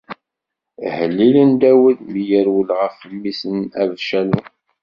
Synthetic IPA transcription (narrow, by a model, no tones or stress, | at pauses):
həlːilənd̪æwəðmijəɾwəlʁəfəlːisənævʃænu